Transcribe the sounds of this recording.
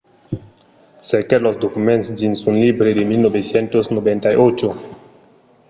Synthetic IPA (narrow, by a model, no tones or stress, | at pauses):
sekelozd̪okumẽntsd͡ʒinsũnlibɾed̪emilnobesjɛnt̪oznobẽnt̪ajot͡ʃo